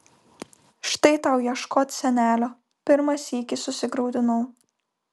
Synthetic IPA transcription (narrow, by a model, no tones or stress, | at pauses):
ʃt̪ɐɪt̪ɐʊjiɛʃkoːt̪ʲsʲɛnʲæːlʲoː | pʲɪɾmɐsʲiːkʲɪsʊsʲɪɡɾɐʊd̪ʲɪnʊʊ